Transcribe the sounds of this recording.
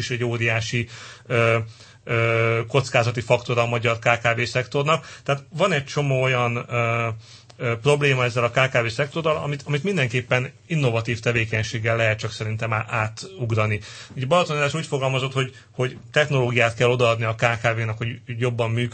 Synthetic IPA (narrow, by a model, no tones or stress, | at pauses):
iʃɛɟːoːɾijaːʃiøː | øːko̞t̪skaːzɒt̪ifɒkt̪o̞ɾɒːmɒɟɒrkaːkaːveːsɛkt̪o̞rnɒkt̪ɛaːt̪vɒnɛc̚t͡ʃo̞moːo̞jɒnø | pro̞bleːmɒɛzːɛlɒkaːkaːveːsɛkt̪o̞rːɒlɒ̰mit̪ɒmit̪mind̪ɛŋkeːpːɛn | inːo̞vɒt̪iːft̪ɛveːkɛɲʃeːɡːɛlːɛɦɛt̪̚t͡ʃɒksɛɾint̪ɛmaaːt̪uɡrɒniɟɛbɒlɒt̪onad̪aːʃuːcfoɡɒlmɒzo̞t̪ho̞ɟ | ho̞ɟt̪ɛxno̞loːɡijaːt̪kɛlːo̞d̪ɒɒd̪niɒkaːkaːveːnɛkho̞ɟjo̞bːɒmːyːk